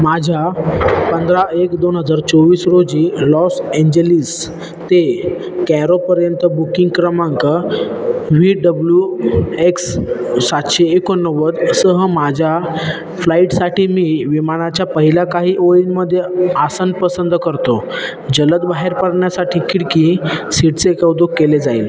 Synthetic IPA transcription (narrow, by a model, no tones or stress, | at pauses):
mad͡ʑʱapənd̪ɾaekd̪onɦəd͡zaɾt͡soʋiːsɾod͡ʑiːlɔseɲd͡ʑelis | t̪e | kɛɾopəɾjənt̪əbukiŋɡkɾəmaŋkə | ʋiɖəbljueksːat̪ɕeːkonːəʋət̪əsəɦəmad͡ʑʱja | flaiʈsaʈiːmiːʋimaɽ̃at͡ɕjapəɦilakaɦiːʔoɭinməd̪ʱːjeasənpəsənd̪əkəɾt̪o | d͡ʑələt̪̚baɦeɾpəɽɳjasaʈʰiːkiɽkisiʈt͡seekaud̪okkːeled͡zaḭl